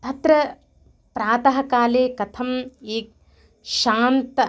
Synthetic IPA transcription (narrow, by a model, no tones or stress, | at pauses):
t̪ɐt̪ɾɐ | pɾaːt̪ɐɦɐkaːleːkɐt̪ʰɐmeːk̚ | ʃaːnt̪ɐ